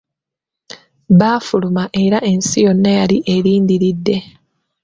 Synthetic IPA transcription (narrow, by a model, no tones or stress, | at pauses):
βaːfulumaʔe̞ɾae̞nsijo̞nːajaliʔeɾiːndiɾidːe̞